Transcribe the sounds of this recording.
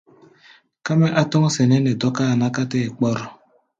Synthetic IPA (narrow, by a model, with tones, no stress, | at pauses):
ka˦mɛ˦ʔa˦tɔ˦ŋ˦sɛ˨nɛ˦ne˨dɔ˦ka˦˨na˦ka˦te˦˨k͡pɔ˦ɾɔ˨